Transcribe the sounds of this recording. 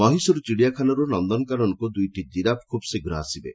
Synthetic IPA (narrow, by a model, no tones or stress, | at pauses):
mɔɦisɔɾut͡ʃiɽijakʰanɔɾunɔnd̪ɔnɔkaɾɔnkud̪ujʈid̪iɾap̚kʰubseɡɾaɦasibḛ